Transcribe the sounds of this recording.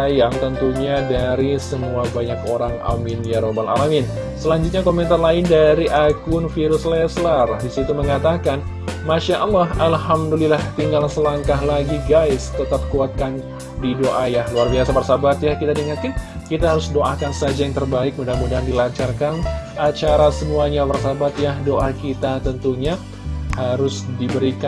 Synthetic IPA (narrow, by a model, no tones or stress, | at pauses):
ajaŋt̪ənt̪uɲadaɾisəmuabaɲakoɾaŋa̰mɪnjaɾobala̰lamɪn | səlaɲd͡ʒʊt̪̚ɲakomɛnt̪arlaɪndaɾiʔaɡʊnfiɾʊslɛslardisit̪uməŋat̪akan | maʃaʔɑlːaɦalhamdulilaht̪iŋɡalsəlaŋkahlaɡiɡaɪst̪ət̪ap̚kuat̪̚kan | didoʔajahluarbiasapərsabat̪̚jahkit̪adiŋat̪kɪnkit̪aɦaɾʊsdoʔakansəad͡ʒajaŋt̪ərbaɪk̚mudaɦamudaɦandilat͡ʃarkanʔat͡ʃaɾasəmuaɲapərsabat̪̚jahdoʔakit̪at̪ənt̪uɲa | haɾʊsdibəɾika